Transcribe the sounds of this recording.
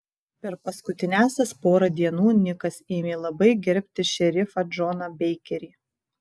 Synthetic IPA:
pʲɛɾpɐskʊt̪ʲɪnʲæˑːsʲɛspoːɾɐd̪ʲiɛnuːnʲɪkɐseːmʲeːlˠɐbɐɪɡʲɛɾʲpʲt̪ʲɪʃʲɛɾʲɪfɐd͡ʒɔnɐbʲɛɪkʲɛɾʲiː

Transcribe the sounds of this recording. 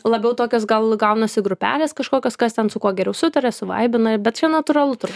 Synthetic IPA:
lˠɐbʲɛʊt̪oːkʲoːsɡɐlˠɡɐʊnɐsʲɪɡɾʊpʲæ̰ːlʲeːskɐʃkoːkʲoːskɐst̪ʲɛnsʊkuɔɡʲɛɾʲɛʊsʊt̪ɐɾʲɛsʊʋɐ̰ɪbʲɪnɐbʲɛt̪t͡ʃʲɛnɐt̪ʊrɐlˠʊt̪ʊbʊ

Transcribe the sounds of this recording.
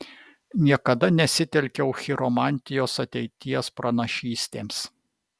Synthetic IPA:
nʲiɛkɐd̪ɐnʲɛsʲɪt̪ʲɛlʲkʲɛʊxʲɪɾomɑːˑnʲˑt̪ʲɪjoːsɐt̪ʲɛɪt̪ʲiɛspɾɐnɐʃʲiːsʲt̪ʲeːms

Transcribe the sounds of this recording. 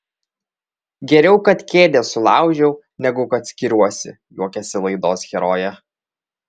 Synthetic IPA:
ɡʲɛɾʲɛʊkɐt̪kʲeːd̪ʲɛsʊlˠɑˑʊʒʲɛʊ | nʲɛɡʊkɐt̪sʲkʲɪɾʲuɔsʲɪ̰ | juɔkʲɛsʲɪlˠɐɪd̪oːsxʲɛɾoːjɛ

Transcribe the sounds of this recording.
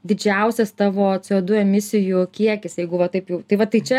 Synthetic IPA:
d̪ʲɪd͡ʒʲɛʊsʲɛst̪ɑːʋoːt͡s̪ʲɪoːd̪ʊɛmʲɪsʲɪjʊkʲiɛkʲɪsjɛɪɡʊʋɐt̪ɐɪpjɛʊt̪ɐɪʋɐt̪ɐɪt͡ʃʲɛ

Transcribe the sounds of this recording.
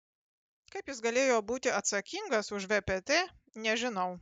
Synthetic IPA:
kɐɪpjɪs̬ɡɐlʲeːjoːbuːt̪ʲɪɐt̪sɐkʲɪŋɡɐsʊʃʋʲɛpʲet̪ʲeː | nʲɛʒʲɪnɐʊ

